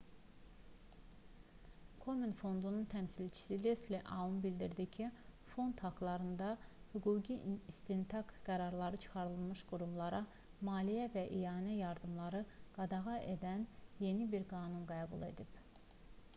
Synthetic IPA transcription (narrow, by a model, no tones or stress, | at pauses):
kʰo̞minfo̞nd̪ununt̪ʰæmsilt͡ʃʰi̥silest̪liʔɑ̰umbild̪iɾd̪icʰifo̞nd̪hɑɡlˠɑɾɯnd̪ɑhyɡuːɟiist̪int̪ʰɑkɡ̥æɾɑɾlˠɑɾɯt͡ʃʰɯ̥χɑɾɯlˠmɯʃɡuɾumlˠɑɾɑ | mɑːlijævæʔijɑːnæjɑɾd̪ɯmlˠɑɾɯɡ̥ɑd̪ɑɣɑʔed̪ænje̞nibiɾɡɑːnunɡæːbṵlˠe̞̰d̪ib